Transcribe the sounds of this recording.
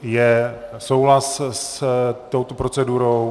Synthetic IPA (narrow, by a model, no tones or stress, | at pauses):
jɛsowɦlasst̪owt̪opɾot͡sɛduɾow